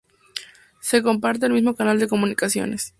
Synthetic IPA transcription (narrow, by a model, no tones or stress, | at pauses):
se̞ko̞mp̬aɾt̪̬e̞ːlmizmo̞kanald̪e̞ko̞mũnikasjo̞̰nes